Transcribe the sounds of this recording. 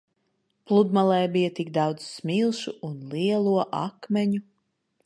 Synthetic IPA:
plˠud̪malˠɛjbijɐt̪ikd̪ɑwd̪zsmʲilˠʃuːnlˠiɛlˠuɔʔa̰kmʲɛɲu

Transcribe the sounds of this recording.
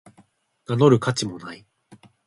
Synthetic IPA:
nano̞ɾɯ̟kat͡ɕimo̞nai

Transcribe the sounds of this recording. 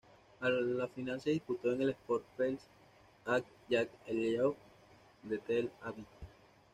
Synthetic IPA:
alafinalseðisput̪o̞eŋe̞lespoɾt̪pels | ak̚ | jakelok | d̪et̪elaβi

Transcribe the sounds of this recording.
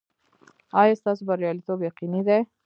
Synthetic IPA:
ɑjɑst̪ɑs̬obaɾijɑlit̪objaqinid̪ej

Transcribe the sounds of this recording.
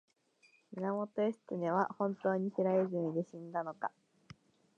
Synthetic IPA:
minamo̞t̪o̞esɨ̥t̪ɨne̞β̞ahõ̞nt̪o̞ːɲ̟içiɾaizɯ̃d̪eɕĩnd̪ano̞ka

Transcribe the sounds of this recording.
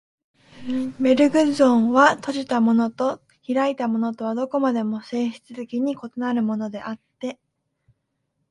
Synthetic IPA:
me̞ɾɯ̟ɡɯ̟zõ̞ɰ̃βat̪o̞ʑit̪amo̞no̞t̪o̞ | çiɾait̪amo̞no̞t̪o̞β̞ad̪o̞ko̞mad̪e̞mo̞se̞ːɕi̥t͡sɨzekʲiɲ̟iko̞t̪o̞naɾɯ̟mo̞no̞d̪e̞̰ʔat̪ːe̞

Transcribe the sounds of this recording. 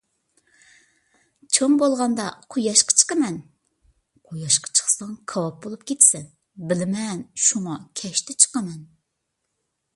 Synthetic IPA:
t͡ʃʰoŋbolˠʁɑnd̪ɑqʰojɑʃqʰɑ̥t͡ʃʰə̥qɑmɛn | qʰojɑʃqʰɑ̥t͡ʃʰə̥χsɑŋkʰɑwɑp̚bolˠup̚kʲʰet̪ʰsɪn | bɪlɪmɛnʃuŋɑkʲʰɛʃt̪ʰɛt͡ʃʰə̥qɑmɛn

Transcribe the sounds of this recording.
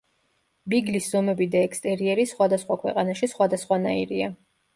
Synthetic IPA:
biɡlisz̥ɔmɛbid̪aɛkst̪ʼɛɾiɛɾisχwad̪asχwakʰwɛqʼanaʃisχwad̪asχwanaḭɾia

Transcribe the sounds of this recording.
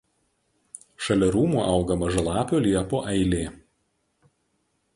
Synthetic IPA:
ʃɐlʲɛɾuːmuːʔɐˑʊɡɐmɐʒɐlˠɑːpʲoːlʲiɛpoːʔɛɪlʲeː

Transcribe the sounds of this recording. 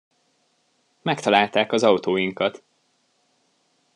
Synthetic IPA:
mɛkt̪ɒlaːlt̪aːkɒzɒwt̪oːjiŋkɒt̪

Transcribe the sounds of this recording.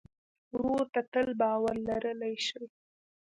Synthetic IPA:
ɾoɾt̪at̪əlbɑwaɾlaɾəlajʃəwi

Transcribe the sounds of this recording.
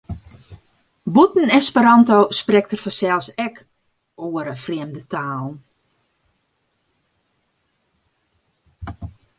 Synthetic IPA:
butn̩ɛspəɾɔntoːsprɛk̚tərfɔsɛlˠsɛk | oːəɾəfriəmdətaːlˠn̩

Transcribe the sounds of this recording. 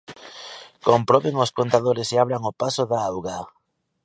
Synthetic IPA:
kompɾoβeŋoskont̪aðoɾɪsɪaβ̞ɾaŋopasoðaawɣa

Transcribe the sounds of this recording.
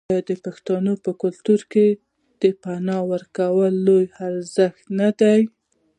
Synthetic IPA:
d̪əpaxt̪ɑnopəkʊlt̪uɾke | d̪̥əpanɑwəɾkawəlːojaɾzəxt̪nad̪aj

